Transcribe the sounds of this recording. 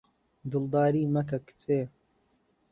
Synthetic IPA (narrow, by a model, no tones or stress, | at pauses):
d̪ɨld̪aːɾiːmɐk̬ɐkt͡seː